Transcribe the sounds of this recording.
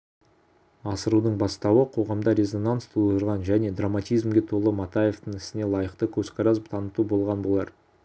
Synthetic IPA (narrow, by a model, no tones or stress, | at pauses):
ɑsəɾud̪əɴbɑst̪ɑwəqʰo̞ʁɑmd̪ɑɾʲe̞zo̞nanst̪ʰolˠət̪əɾʁɑnʒæne̞d̪ramat̪ʲijzmɡʲet̪ʰo̞lˠəmat̪aje̞ft̪əɴɪsɪne̞lˠɑjəqt̪əkʲʰɵzkɑɾɑzət̪ʰɑnət̪ubo̞lˠʁɑnbo̞lˠɑɾ